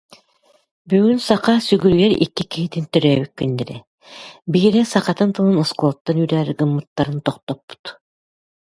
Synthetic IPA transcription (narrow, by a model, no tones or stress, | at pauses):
byːɡynsaqasyɡyɾɡɛɾḭkːikiɦit̪int̪œɾœːβyk̚kːynːɛɾɛ | biːɾɛsaqat̪ɯnt̪ɯlˠɯnɔskulˠɔt̪ːanyɾæːɾɡɯmːɯt̪ːaɾɯnt̪ɔqt̪ɔpːu̥t̪